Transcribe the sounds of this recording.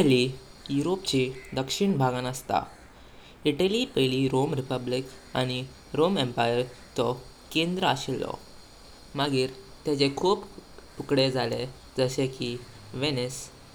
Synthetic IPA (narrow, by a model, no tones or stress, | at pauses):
li | juɾopt͡ɕid̪əkʂiɳbʱaɡãnəst̪a̰ | iʈəlipeliɾomɾipəblik | aɽ̃i | ɾomẽmpajəɾt͡sɔ | kend̪ɾəaɕilːɔ̰ | maɡiːɾt̪jat͡ɕekʰuːpʈukɽed͡zʱale | d͡zəɕẽki | ʋenes